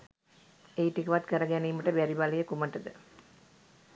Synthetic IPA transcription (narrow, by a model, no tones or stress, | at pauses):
ejʈikəʋat̪kəɾəɡæniːməʈəbæɾibaləjəkuməʈəd̪ə